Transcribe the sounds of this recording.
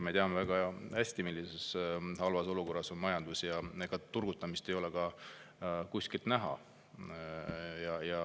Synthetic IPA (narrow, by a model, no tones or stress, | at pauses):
me̞t̪eɑmevæɡ̥ɑhæsʲt̪imilʲːise̞shɑlvɑso̞luko̞rːɑso̞nmɑjɑnd̪usjɑeɡ̥ɑt̪ːurɡ̥ut̪ːˑɑmist̪ejo̞le̞kɑ | kusʲkilt̪næɦɑ̰ | jɑjɑ